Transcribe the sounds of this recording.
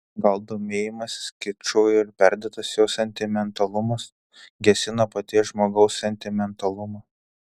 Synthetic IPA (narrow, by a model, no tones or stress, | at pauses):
ɡɐlˠd̪oːmʲeːjɪmɐsʲsʲkʲɪt͡ʃoːjɪɾpʲæˑɾʲd̪ʲeːt̪ɐsjɛʊsʲɛnʲt̪ʲɪmʲɛnt̪ɐlˠʊmɐs | ɡʲɛsʲɪnɐpɐt̪ʲiɛʒmoːɡɐʊsːʲɛnʲt̪ʲɪmʲɛnt̪ɐlˠʊmɐː